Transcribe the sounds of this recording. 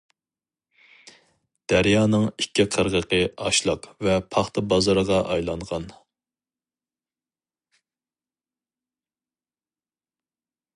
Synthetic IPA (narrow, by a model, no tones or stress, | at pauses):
d̪̥æɾjɑːnɨŋikʲʰːiqʰəɾʁəqəɑʃlˠɑqvɛpʰɑχt̪ʰɨbɑzɑɾəʁɑʔɑjlˠɑɴʁɑn